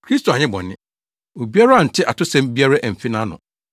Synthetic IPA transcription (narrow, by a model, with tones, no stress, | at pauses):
kʰɾi˦sto˨a˨ɲɪ̃˦bɔ̰̃˨nɪ̃˦ | o˨bi˦a˦ɾa˦a˨n̩˨tʰɪ˦ʔa˨tʰʊ˦sɛ̃˦m˦bi˦a˦ɾa˦ʔæ˨m̩˨fi˦nã˦nʊ̰̃˨